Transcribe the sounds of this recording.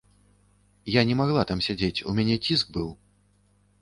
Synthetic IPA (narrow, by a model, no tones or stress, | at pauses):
janʲɛmaɣlˠat̪amsʲad͡zʲet͡sʲṵmʲanʲɛt͡sʲisɡ̚bɨw